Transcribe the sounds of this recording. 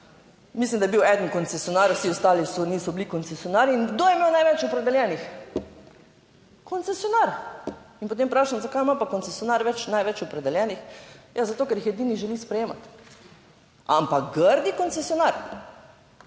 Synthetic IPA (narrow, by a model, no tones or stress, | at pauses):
mislimd̪ajebiwɛd̪ənkɔnt̪sɛsijɔnaɾwsiɔst̪aːlisɔniːsɔblikɔnt̪sɛsijɔnaːɾiːnɡd̪ojɛmeːwnajʋɛt͡ʃɔpɾɛd̪ɛljɛnix | kʰont̪sɛsjɔnaɾinpot̪̬eːmpɾaːʃamzakajmapakɔnt̪sɛsjonaɾʋɛt͡ʃnajʋɛt͡ʃɔpɾɛd̪ɛljɛnixjazat̪okɛɾjixjɛd̪iːniʒɛlispɾɛjeːma̰t̪ | ampakɡəɾd̪ikonsɛsijonaɾ